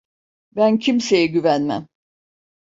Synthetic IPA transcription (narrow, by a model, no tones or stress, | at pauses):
bæncʰimse̞jɛɟyvænmæ̰m